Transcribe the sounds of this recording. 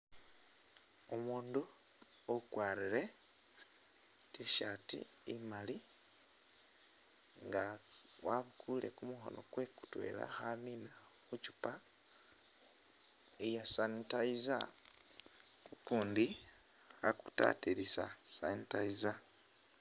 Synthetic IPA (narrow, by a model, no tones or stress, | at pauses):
omuːndu | okwaːɾiɾe̞ | tiʃatḭː | mali | ŋɡawaβukʰule̞̰kumuxo̞̰no̞̰kwe̞ku̥twe̞̰ːla̰xamina | xucu̥pa | ejasanitaiza̰ | kukuːndi | xaku̥ta̰tiɾisa̰sa̰nitaiza